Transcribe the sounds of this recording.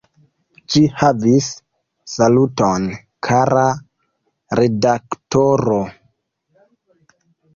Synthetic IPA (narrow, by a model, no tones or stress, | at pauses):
ʃihavisː | aluton | kʰaɾa | ɾedaktoɾo